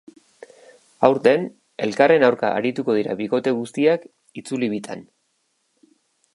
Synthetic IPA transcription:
awɾt̪e̞n | e̞lkare̞nawɾka̰a̰ɾit̪uko̞ð̞iɾa̰βiko̞t̪e̞ɣust̪iak | it͡suliβit̪ʰa̰n

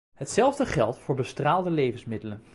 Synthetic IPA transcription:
ɦətsɛlˠvdəχɛlˠtfʊːɹbəstraːlˠdəlejvənsmɪdələn

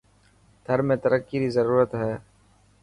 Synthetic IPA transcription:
d̪ʰʱəɾmẽːt̪əɾəkːiɾizəɾuːɾət̪ɦɛː

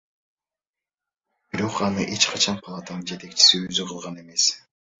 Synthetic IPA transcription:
b̥iɾo̞qɑnɯʔe̞t͡ʃqʰɑt͡ʃʰɑnpʰɑlˠat̪anɯnd͡ʒe̞t̪e̞k̚t͡ʃi̥siøzyqʰɯlˠʁɑne̞me̞s

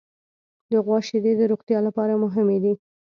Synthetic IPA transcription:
d̪əɣwɑʃɪd̪ed̪əɾoɣt̪jɑlapɑɾamʊɦɪmed̪i

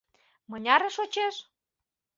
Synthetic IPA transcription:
mɤ̆nʲɑɾĕʃot͡ɕeʃ

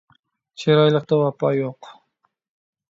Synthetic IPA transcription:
t͡ʃʰeɾɑjlˠəq̚t̪ɑwɑpɑjoq

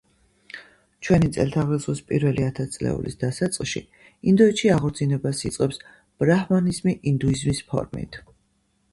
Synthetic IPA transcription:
t͡ʃʰwɛnit̪sʼɛ̰lt̪ʰaʁlɛsχwispʼḭɾvɛliat̪ʰat̪sʼlɛ̰ṵlḭsd̪asat̪sʼlˠʃḭ | ind̪ɔɛt̪ʃiaʁɔɾt̪sʰinɛbasit̪sʼqʼɛps | b̥ɾahmanizmiʔind̪uizmispʰɔ̰ɾmḭt̪ʰ

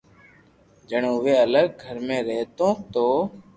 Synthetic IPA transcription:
d͡ʒəɳʊʋeːələɡ̚ɡʱəɾmẽːɾeːt̪õːt̪oː

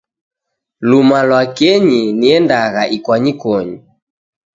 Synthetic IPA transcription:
lumalwakɛɲiniɛndaɣaʔikwaɲikɔɲi

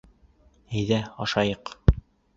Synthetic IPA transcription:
æjðæɒʃɑjɤq

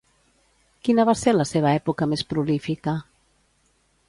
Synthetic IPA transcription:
kinəβaseɾləseβaɛpukamespɾulifika

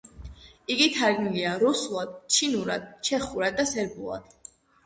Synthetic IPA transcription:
iɡit̪ʰaɾɡniliaɾuslˠad̪̥t͡ʃʰinuɾa̰d̪̥t͡ʃʰɛχuɾad̪̚ːasɛɾbulˠa̰d̪̥

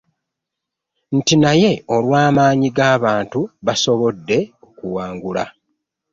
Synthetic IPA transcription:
n̩tinaje̞olwaːmaːɲiɡaːβaːntuβaso̞βo̞dːe̞ | okuwaːŋɡula

